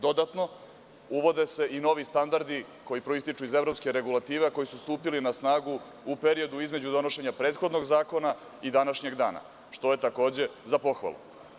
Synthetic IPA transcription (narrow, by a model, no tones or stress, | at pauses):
d̪o̞d̪at̪no̞ | uʋo̞d̪e̞se̞ʔino̞ʋist̪and̪aɾd̪i | ko̞jipɾo̞ist̪it͡ʂuize̞vɾo̞pskeɾe̞ɡulˠat̪iːʋeko̞jisust̪uːpilinasnaːɡu | upe̞ɾio̞d̪uizme̞d͡ʑud̪o̞no̞ʃe̞ɲapɾeːt̪xo̞d̪no̞ɡzaːko̞na | id̪anaʃɲe̞ɡd̪a̰ːna̰ | ʃt̪o̞jet̪ako̞ːd͡ʑe̞zapo̞xʋa̰lˠṵ